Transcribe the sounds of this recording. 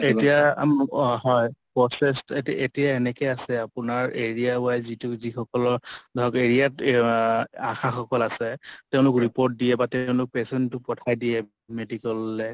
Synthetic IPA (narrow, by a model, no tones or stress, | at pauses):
etija̰mɦɔjpɹɔsɛstetijaenɛkɛjasɛapʊnaɹeɹijaʊajzitʊzixɔkɔlɔɹdʱɔkeɹijat | axaxɔkɔlasɛteʊ̃lʊkɹipoɹt̚dijɛbateʊ̃lʊk̚pɛsɔntʊpɔtʰajdijɛ | medikɔlːɛ